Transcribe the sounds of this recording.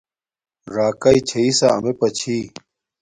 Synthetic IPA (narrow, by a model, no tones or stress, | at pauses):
ɾaːkait͡ɕʰeisaɐmepɐt͡ɕʰiː